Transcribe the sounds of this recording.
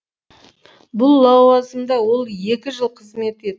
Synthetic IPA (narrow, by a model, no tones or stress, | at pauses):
bʊlˠːɑwɑzəmd̪ɑwo̞lˠje̞kʲɪʒəlˠqʰəzme̞t̪e̞d̪ɪ